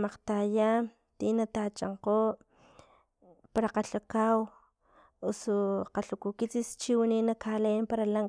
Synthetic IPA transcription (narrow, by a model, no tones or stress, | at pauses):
maqt̪aja | t̪inat̪at͡ʃa̰ɴqo | paɾaqaɬakaw | usoqaɬukukit͡sist͡ʃiwininakalempaɾalaŋ